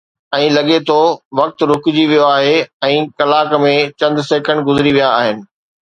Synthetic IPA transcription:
ɛ̃ːlɐɠet̪ʰoʋɐk̚t̪ɾʊkʊd͡ʑiʋijoaːɦeɛ̃ːkɐlaːkmẽt͡ɕɐ̃nd̪seːkə̃ɳɖ̚ɡʊzɪɾiʋijaːɦɪnɪ̆

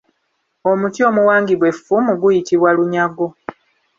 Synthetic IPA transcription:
o̞mutio̞muwaːŋɡiβwe̞fːumuɡujitiβwaluɲaɡo̞

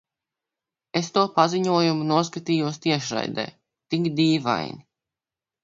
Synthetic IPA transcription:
est̪uɔpaziɲuɔjumunuɔs̬kat̪iːjuɔst̪iɛʃɾa̰jd̪ɛ̰ː | t̪iŋɡd̪iːva̰jni

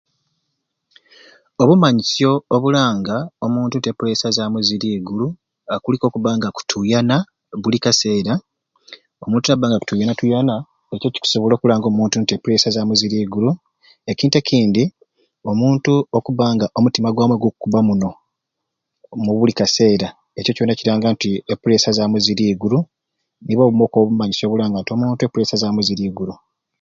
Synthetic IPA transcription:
oβumaɲisjo̞ːβulaːŋɡaomuːntuntepule̞sazaːmuziɾiːɡulu | akuliko̞ːkuβaːŋɡaku̥tʰujana | βulikase̞ːɾa | o̞muːntunaβaːŋɡaku̥tujanatujana | e̞co̞ci̥ku̥soβolo̞ːkulaːŋɡo̞muːntuntepuɾe̞ːsazamuziɾiːɡulu | e̞ciːntekʰiːndi | o̞muːntuokuβaːŋɡaʔo̞mutimaɡwaːmweɡokukuβamuno̞ | muβulikase̞ːɾa | e̞co̞co̞nːaciɾaːŋɡantiepuɾe̞sazamuziɾiːɡulu | niβoβumo̞ːkoːβumaɲiso̞ːβulaːŋɡantio̞muːntuepːuɾe̞ːsazaːmuziɾiːɡuɾu

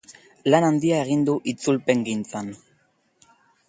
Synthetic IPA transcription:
lanand̪iae̞ɣ̞ind̪uʔit͡sulpe̞ŋɡint͡san

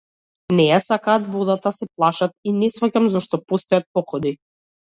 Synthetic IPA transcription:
nɛjasakaːt̪vɔd̪at̪asɛplˠaʃat̪̚inɛsvacamzɔʃt̪ɔpɔst̪ɔjat̪̚pɔkɔd̪i

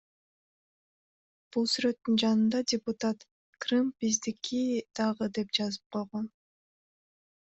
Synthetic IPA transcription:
b̥ulˠsyɾø̞t̪ːynd͡ʒɑnɯnd̪ɑdʲɪpʊt̪at̪ | krɨmbizd̪ikid̪̥ɑʁɯd̪e̞pd͡ʒɑzɯp̚qʰo̞jʁon

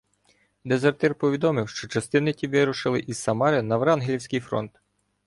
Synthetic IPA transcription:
d̪ezert̪ɛrpɔʋʲid̪ɔmɪwʃt͡ʃɔt͡ʃɐst̪ɪnɪtʲiʋɪɾʊʃɪlˠɪʔizsɐmɑɾɪnɐʋɾɑnɦlʲiwsʲkɪjfɾɔ̰nt̪

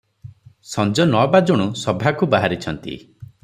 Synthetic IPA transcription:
sɔnd͡ʒɔnɔbad͡ʒoɽ̃usɔbʱakubaɦaɾit͡ʃʰɔnt̪ḭ

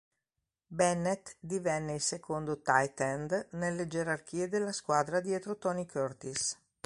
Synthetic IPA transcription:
bɛnet̪d̪ivɛnːeilsekʰond̪ot̪ajt̪ɛnd̪nelːed͡ʒeɾark̟iːed̪elːaskwaːd̪ɾad̪jet̪ɾot̪ɔnikʰørt̪is

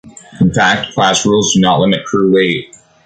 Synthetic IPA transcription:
ɨ̃n̩fæk̚t̚kʰl̥æsɹulˠzdɨnəʔˡlɪmɨt̚kʰɹ̥ʉleɪt̚

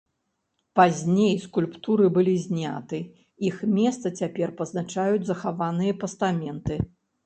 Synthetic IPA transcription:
pazʲnʲejskulʲpt̪uɾɨbɨlʲizʲnʲa̰t̪ɨ | ixmʲɛst̪sɐt͡sʲapʲɛrpɐznat͡ʂajud͡zʲzɐxavanɨjɐpɐst̪amʲɛnt̪ɨ

